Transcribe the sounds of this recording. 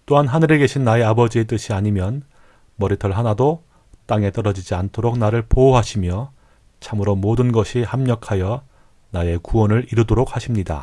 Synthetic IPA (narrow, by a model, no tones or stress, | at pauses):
t͈oɦanɦanɯɾe̞ɡe̞ɕʰinːae̞abʌd͡ʑie̞t͈ɯɕʰiaɲimjʌn | mʌɾitʰʌɭɦanado | t͈aŋe̞t͈ʌɾʌd͡ʑid͡ʑiantʰoɾok̚naɾɯɭpooɦaɕʰimjʌ | t͡ɕʰamɯɾomodɯnɡʌɕʰihamɲʌkʰajʌ | nae̞kuwʌnɯɾiɾudoɾok̚haɕʰimɲida̰